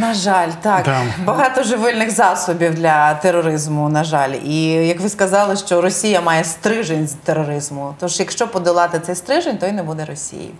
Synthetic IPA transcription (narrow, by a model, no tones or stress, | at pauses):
nɐʒɑlʲt̪ɑk̪bɐɦɑt̪ɔʒɪʋɪlʲnɪxzɑsʊbʲiwd̪lʲɐt̪erːɔɾɪzmʊnɐʒɑlʲijɐkʋɪskɐzɑlˠɪʃt͡ʃɔɾɔsʲijɐmɑjɛst̪ɾɪʒenʲzʲt̪ːeɾɔɾɪzmʊt̪ɔʃjɐkʃt͡ʃɔpɔd̪ɪlˠɑt̪ɪt̪sɛjst̪ɾɪʒenʲt̪ɔjnɛbud̪ɛɾɔsʲḭjḭ